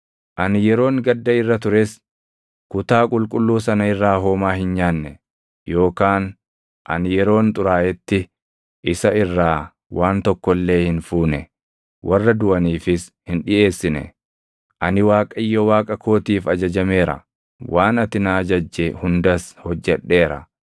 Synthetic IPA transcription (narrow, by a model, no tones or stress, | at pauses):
ʔɐnɪjɛɾo̞ːŋɡɐd̪ːɐɪrːɐt̪ʊɾes | kʊt̪aːkʼʊlkʼʊlːuːsɐnɐɪrːaːɦo̞ːmaːhɪnɲaːnːɛ | jo̞ːkaːn | ʔɐ̰nɪjɛɾo̞ːnt̪ʼʊɾaːjɛt̪ːɪ | ʔɪsɐɪrːaː | waːnt̪ɔkːɔlːe̞ːhɪnfuːnɛ | wʔɐrːɐd̪ʊɐniːfɪshɪnᶑɪʔe̞ːsːɪnɛ̰ | ʔɐnɪwaːkʼɐɪjːɔwaːkʼɐkʰo̞ːt̪iːfɐd͡ʒɐd͡ʒɐme̞ːɾɐ̰ | wʔaːnɐt̪ɪnaːd͡ʒɐd͡ʒːɛhʊnd̪ɐshɔd͡ʒːɛᶑːe̞ːɾɐ̰